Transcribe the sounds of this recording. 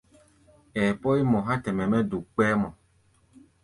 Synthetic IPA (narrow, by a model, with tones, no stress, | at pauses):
ɛː˨pɔ˦i˦mɔ̃˨ɦa˦tɛ˨mɛ˨mɛ˦du˨k͡pɛ˦mɔ˨